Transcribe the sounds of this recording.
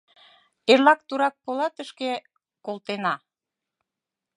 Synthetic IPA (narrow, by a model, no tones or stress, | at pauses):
eɾlɑk̚t̪uɾɑk̚polɑt̪əʃke | kolt̪enɑ